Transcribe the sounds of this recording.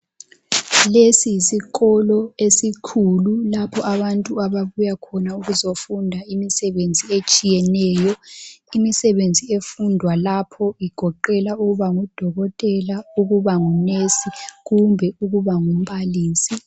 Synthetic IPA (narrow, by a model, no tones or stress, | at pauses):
lesisiɣɔlɔesikʰululapʰɔʔaβantʼuaβaβujakʰɔnauɣuzofundʱaimisɛβend͡zʱiet͡ʃʼijɛnɛːjɔimisɛβend͡zʱiefundʱwalapʰɔiɡ̥ʱɔǃɛlauɣuβaŋud̥ʱɔɣɔtʼɛlauɣuβaŋunesiɣumbʱɛuɣuβaŋum̩βaliːsi